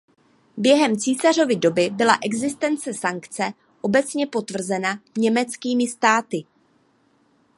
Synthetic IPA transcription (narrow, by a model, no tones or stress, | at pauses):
bjɛɦɛmt͡siːsaro̞vɪdo̞bɪbɪla̰ʔɛɡzɪst̪ɛnt͡sɛsaŋkt͡sɛ | ʔo̞bɛt͡sɲɛpo̞t̪vr̩zɛnaɲɛmɛt͡skiːmɪst̪aːt̪ɪ